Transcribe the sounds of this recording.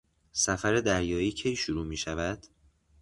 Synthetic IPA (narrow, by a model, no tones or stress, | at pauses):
sæfæɾe̞d̪æɾjɒːiːcʰejʃuɾuːmiːʃævæd̪̥